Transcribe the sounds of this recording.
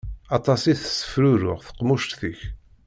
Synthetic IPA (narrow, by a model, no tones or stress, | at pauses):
ɑt̪ˤɑsiθəsːə̥fɾuɾʊʁθə̥qmʊʃt̪θiç